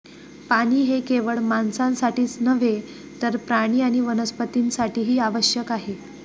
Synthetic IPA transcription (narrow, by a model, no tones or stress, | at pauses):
paɽ̃iːɦekeʋəɭmansãnsaʈiːt͡snəʋe | t̪əɾpɾaɽ̃iːaɽ̃iʋənəspət̪insaʈiːɦiːaʋəɕjəkaɦe